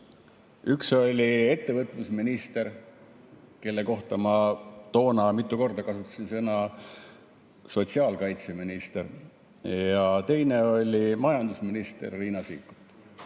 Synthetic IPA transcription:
ykso̞lʲie̞t̪ːe̞vɤt̪ˑlusminist̪e̞ɾ | ke̞lːe̞ko̞ht̪ɑmɑt̪o̞ːnɑmit̪ːˑuko̞rd̪ɑkɑsut̪ːˑɑ̥sinsɤnɑ | so̞t̪siɑːlkɑjt̪se̞minist̪eɾ | jjɑt̪e̞jne̞o̞lʲimɑjɑnd̪usminist̪ḛrːiːnɑsḭːkːˑu̥t̪ˑ

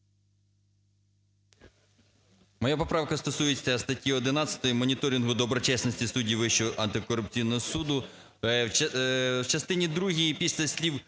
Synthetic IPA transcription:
mɔjapɔpɾɑwkɐst̪ɔsujet͡sʲːɐst̪ɐtʲjiɔd̪ɪnɑt͡sʲɐ̥t̪ɔjimɔnʲit̪ɔɾʲinɦʊd̪ɔbɾɔt͡ʃɛsnɔsʲtʲisudʲiʋɪʃt͡ʃʊʔɐnt̪ɪkɔrʊp̚t͡sʲijnɔɦɔsud̪ʊ | wt͡ʃɐst̪ɪnʲid̪ɾuɦʲijipʲisʲlʲɐsʲlʲiw

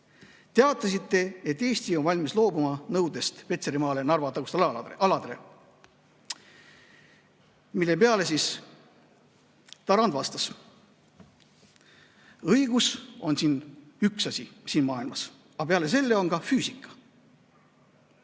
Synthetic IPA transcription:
t̪e̞ɑt̪ˑːɑsit̪ːe̞et̪ːˑe̞ːsʲt̪io̞nvɑlʲmislo̞ːbumɑnɤwd̪e̞st̪pe̞t̪se̞ɾimɑːle̞nɑrvɑt̪ːɑku̥st̪ɑlɑd̪̥ele | milːe̞peɑle̞sis | t̪ɑɾɑnd̪vɑst̪ɑs | ɤjɡ̥uso̞nsiːnyksɑsʲisiːnmɑːilmɑs | ɑpeɑle̞s̬e̞lːe̞o̞nɡɑfyːsikːˑɑ̥

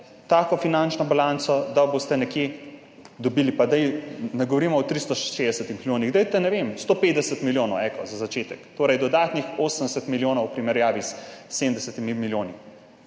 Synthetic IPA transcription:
t̪aːkɔfinant͡ʃnɔbalant̪sɔd̪abost̪ɛnɛkje | d̪ɔbiːlipad̪ajnɛɡɔʋɔɾimɔɔt̪ɾist̪ɔʃed̪ɛsət̪immiljoːniɣd̪ajt̪ɛnɛʋemst̪oːpeːd̪ɛsət̪miljoːnɔwɛkɔzazat͡ʃeːt̪ɛkt̪oːɾɐjd̪ɔd̪aːt̪nixosəmd̪ɛsɛt̪miljoːnɔwpɾimɛɾjaːʋissemnd̪ɛsɛt̪imimiljoːni

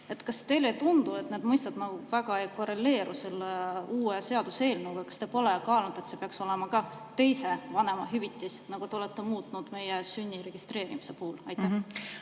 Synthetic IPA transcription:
e̞t̪ːkɑst̪e̞jlet̪und̪ue̞t̪neːd̪mɤjst̪ɑd̪nɑɡuvæɡ̥ɑejko̞re̞lːe̞ːɾuseleuːese̞ɑd̪̥use̞ːlnuwvejkɑ̥st̪epo̞lekɑːlnud̪̥e̞t̪se̞peɑkso̞le̞mɑkɑ | t̪e̞jse̞vɑne̞mɑɦyvit̪ːˑisnɑɡ̥ut̪eolet̪ːe̞muːt̪ˑnud̪̥me̞jesynʲːiɾe̞ɡ̥ist̪re̞ːɾimise̞puhːulɑjt̪ːˑæ

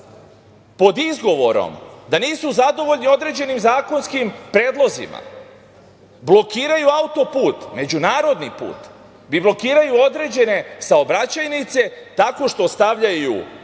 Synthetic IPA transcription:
po̞d̪izɡo̞ʋo̞ɾo̰md̪aniːsuzad̪o̞ʋo̞ʎnio̞d̪ɾe̞d͡ʑe̞nimzaːko̞nskimpɾe̞ːd̪lˠo̞zḭma̰ | blˠo̞kiːɾajuaut̪o̞puːt̪me̞d͡ʑunaːɾo̞d̪nipṵːt̪ | biblˠo̞kiːɾajuo̞d̪ɾe̞ːd͡ʑe̞ne̞saobɾat͡ɕajnit̪se̞t̪ako̞ʃt̪o̞st̪aʋʎajṵ

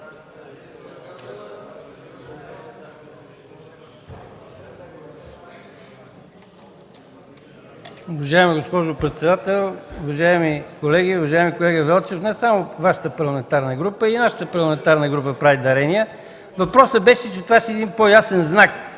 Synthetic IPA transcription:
ʊvɐʒaimiɡospɔʒopɾɛt̪sɛd̪at̪ɛlˠʊvɐʒaimikolɛɡʲiʊvɐʒaimikolɛɡəvɛlˠt͡ʃɛfnɛsamʊvaʃə̥t̪əpɐɾlˠɐmɛnt̪aɾnəɡɾupəinaʃə̥t̪əpɐɾlˠɐmɛnt̪aɾnəɡɾupəpɾavid̪ɐɾɛniə | vɐpɾɔsəbɛʃɛt͡ʃɛt̪ovaʃɛːd̪inpojasɛnznak

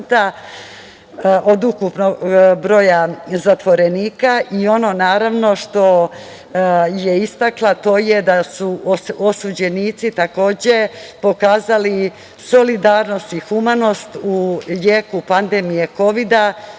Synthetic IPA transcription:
t̪a | ʔo̞d̪ukupnoɡbɾo̞ːjazat̪ʋo̞ɾeniːkaʔio̞no̞naːɾaʋno̞ʃt̪o̞ | je̞ist̪aklˠat̪o̞ːje̞d̪asuosud͡ʑe̞niːt̪sit̪ako̞ːd͡ʑe̞po̞kaːzali | so̞lid̪aːɾno̞st̪ixumano̞st̪ujeːkupand̪e̞mije̞ko̞ʋid̪a

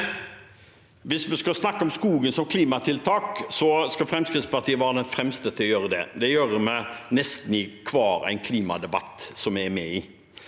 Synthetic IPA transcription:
ʋɪsmɛskɑsnɑkːəɔmskuːɡənsɔmkʰliːmɑt̪ʰɪlt̪ʰɑːksɔskɑfɾɛmskɾɪt̪spɑʁt̪iːəʋæːɾəd̪ɛnfɾɛmst̪ət̪ʰɪlɔjøːɾəd̪ɛ̰d̪ɛjøːɾəmɛnɛst̪n̩ɪkʰʋɑːɾæ̰ɪnkʰliːmɑ̰d̪ɛbɑ̰t̪ːsɔmɛæɾmɛiː

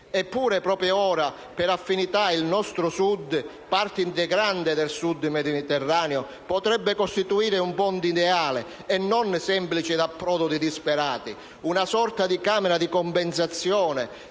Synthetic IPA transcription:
ɛpːuːɾepɾɔːpɾjoɔːɾa | pɛɾafːinit̪ailnɔst̪ɾʊsud̪ː | part̪int̪eɡɾand̪ɪd̪ɛlsud̪ːmɛd̪id̪it̪ɛrːaːneo | pɔt̪ɾɛbːekost̪it̪uiːɾɪumpɔnd̪id̪ɛaːle | ɛnːɔnsɛmplit͡ʃɪd̪apːɾɔːd̪ʊd̪id̪ispeɾaːt̪i | unasɔrt̪ad̪ikaːmɛɾad̪ikɔmpɛnsat̪sːjɔːne

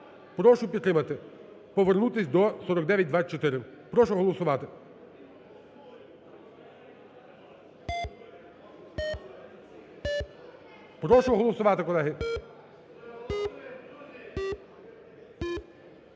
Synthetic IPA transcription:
pɾɔʃʊpʲid̪t̪ːɾɪmɐt̪ɪ | pɔʋernut̪ɪsʲd̪ɔsɔɾɔɡd̪ɛʋʲjɐt̚ʲd̪ʋat͡ʃɔt̪ɪɾɪpɾɔʃɔɦɔlˠɔsʊʋɑt̪ɪ | pɾɔʃɔɦɔlˠɔsʊʋɑt̪ɪkɔlˠɛɦɪ

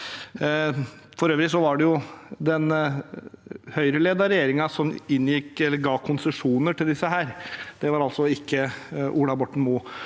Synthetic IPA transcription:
fɔɾøːʋɾɪsɔʋɑɖɛjʊd̪ɛn | hœʏɾəleːd̪ɑɾɛjeːɾɪŋɑsɔmɪnːjɪkːɛlːəɾɡɑːkʰʊnsəʂuːnəʈɪld̪ɪsːəɦæːɾd̪̥ɛʋɑɾɑlsɔɪkːəʔuːɽɑbɔʈɳ̩muː

